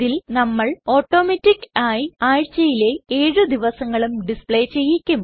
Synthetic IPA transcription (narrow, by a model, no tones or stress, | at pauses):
ilnɐmːɐɭo̞ːʈːo̞ːmetːikːaːjiaːɻt͡ɕːɐjile̞eːɻɨd̪iʋɐsɐŋːɐɭumɖispɭejt͡ɕe̞jːikʲːum